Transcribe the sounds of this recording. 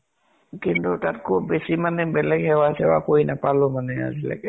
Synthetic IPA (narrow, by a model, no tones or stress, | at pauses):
kintutat̚kʰup̚besimanɛbɛlɛɡhɛwasɛba̰koinapalʊmanɛa̰zila̰kɛ